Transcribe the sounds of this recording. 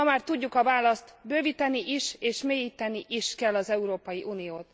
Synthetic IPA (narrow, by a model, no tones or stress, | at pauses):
ɒmaːrt̪uɟːukɒvaːlɒst̪bøːvit̪ɛniʔiʃeːʃmeːjiːt̪ɛniʔiʃkɛlːɒzɛuɾoːpɒjiʔuːnijoːt̪